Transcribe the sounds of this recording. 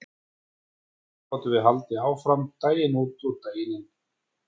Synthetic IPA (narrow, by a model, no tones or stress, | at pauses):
ɔt̪ʏvɪðɦalt̪ɪaːwfɾamt̪aːjɪnuːt̪ʏt̪aːjɪnɪn